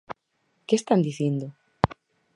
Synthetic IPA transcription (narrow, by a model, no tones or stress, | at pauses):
kest̪and̪iθind̪ʊ